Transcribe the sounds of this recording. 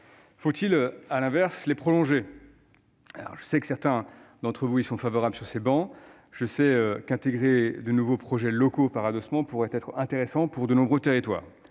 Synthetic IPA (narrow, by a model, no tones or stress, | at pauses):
fot̪ʰiløalɛ̃vɛʁslepχɔlɔ̃ʒe | alɔ̰ʁʒəsɛkə̥sɛʁt̪ɛ̃d̪ɑ̃t̪χəvuilsɔ̃favɔʁablsyʁsebɑ̃ | ʒ̥əsɛøkɛ̃t̪eɡʁed̪ənuvopχɔʒɛlɔkopaʁad̪ɔsmɑ̃puʁɛt̪ɛt̪χɛ̃t̪eʁesɑ̃puʁd̪ənɔ̃bʁøt̪eʁit̪wa̰ːʁ